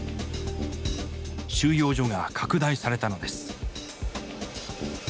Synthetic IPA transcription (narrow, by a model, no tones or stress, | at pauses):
ɕɨːjo̞ːʑo̞ɡakʰakɯ̟d̪aisaɾe̞t̪ano̞d̪e̞sɨ̥